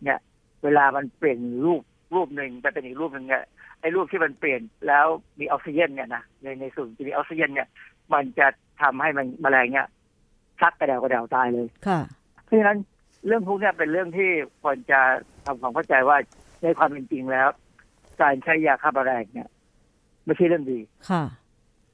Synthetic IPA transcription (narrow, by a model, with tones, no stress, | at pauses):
ni˥˩ɐ | weː˧laː˧ma˧npli˨˩ən˨˩ɾuː˥˩p̚ | ɾuː˥˩p̚nɯ˧ŋt̪ɛ˧˩pe˧nʔiː˨˩k̚ɾuː˥˩p̚nɯ˧ŋni˥˩ʔa˧jɾuː˥˩p̚t̪ʰiː˥˩ma˧npli˨˩ənlɛː˦˥wmiː˧ʔa˧si˧je˥˩˨nːi˥˩ɐna˦˥na˧na˧jsu˨˩n˩t͡ɕa˧˨miː˧ʔaː˧wsi˧je˥˩˨nːi˥˩ | ma˧nt͡ɕa˨˩ | t̪ʰa˧mha˥˩jma˧nbaː˧lɛː˧ŋni˦˥˩ɐ | sʰa˦˥k̚ːa˧˩dɛː˨˩ka˧dɛː˨˩wt̪aː˧jlɤː˧jkʰa˥˩ | pʰɔ˦˥t͡ɕʰa˧na˦˥n | ɾɯ˥˩əŋt̪ʰu˦˥k̚ni˥˩ɐpe˧nɾɯ˥˩əŋt̪ʰiː˥˩kʰu˧ənt͡ɕa˨˩t̪ʰa˧mkʰwɔː˧˦ŋkʰa˥˩t͡ɕa˧jwaː˥˩ | na˧jkʰwaː˧mi˧nt͡ɕi˧ŋlɛː˦˥w | kaː˧nt͡ɕʰa˦˥jːaː˧˩kʰaː˥˩baː˧ɾɛː˧ŋni˥˩ɐ | ma˥˩t͡ɕʰa˥˩ɾɯ˥˩əŋdiː˧kʰa˥˩